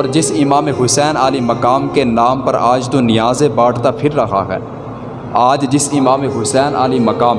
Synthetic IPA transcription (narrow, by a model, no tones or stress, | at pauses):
ɔːɾd͡ʒɪsɪmaːmeɦʊsɛːnaːlimɐkaːmkenaːmpɐɾaːd͡ʒt̪onɪjaːzebaːʈʰt̪apʰɪɾːɐxʰa̰ɦɛ̰ː | aːd͡ʒd͡ʒɪsɪmaːmeɦʊsɛːnʔaːlimɐkaːm